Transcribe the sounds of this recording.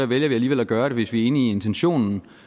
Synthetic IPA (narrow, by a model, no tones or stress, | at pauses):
æʋeljɐʋiæliːʋel̰æɡ̥ɶːɐɾ̥e̝ʋe̝sʋiæe̝ːnəːe̝nt͡sʰenɕo̝̰ːnn̩